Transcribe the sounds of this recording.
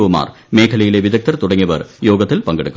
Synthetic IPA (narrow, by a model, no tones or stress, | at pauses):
ʋɐma̰ːr | meːkʰɐlɐjileʋiðɐk̚t̪ɐrt̪uɽɐŋːiʋɐrjo̞ːɡɐt̪ːilpɐŋɡeɽɨkːɐ